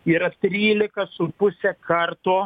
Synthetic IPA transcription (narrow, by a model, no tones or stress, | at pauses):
iːɾɐt̪ʲɾʲiːlʲɪkɐsʊpʊsʲɛkʰɐrt̪oː